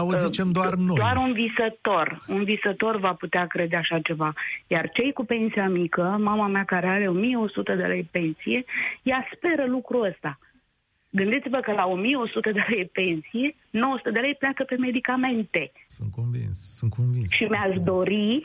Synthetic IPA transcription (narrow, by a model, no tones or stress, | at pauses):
ozit͡ʃemd̪oarnod̪oaaɾunvisət̪o̞runvisət̪o̞rvaput̪eakɾe̞d̪eaʃat͡ʃe̞vajart͡ʃe̞jkupe̞nsijamikəmamameakaɾe̞aɾe̞o̞mijeo̞sut̪əd̪e̞̰lejpe̞nsije̞jaspe̞ɾəlukɾuəst̪a | ɡɨnd̪it̪sivəkəlao̞mijeo̞sut̪əd̪e̞lejpe̞nsije̞ | no̞wosu̥t̪əd̪elejpleakəpe̞me̞d̪ikame̞nt̪e̞sṵnt̪̚konvḭnssunt̪̚konvinsʃimeaʃd̪o̞ɾi